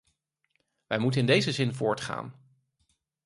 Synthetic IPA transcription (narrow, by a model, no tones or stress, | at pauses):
ʋɛjmutənɪndejzəzɪnvʊːɹtχa̰ːn